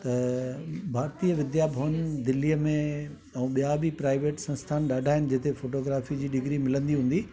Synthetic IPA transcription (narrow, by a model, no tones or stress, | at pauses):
t̪ɐ | bʱaːɾt̪ijəʋɪd̪jaːbʱəʋənd̪ɪlːijəmẽ | ɛ̃ːɓijabipɾaːɪʋeːʈsɐ̃nst̪ʰaːnɗaːɖʱaːɦɪnɪ̆d͡ʑeːt̪efoːʈoːɡɾaːfid͡ʑiːɗɪɡɾimɪlə̃nd̪iɦũːnd̪i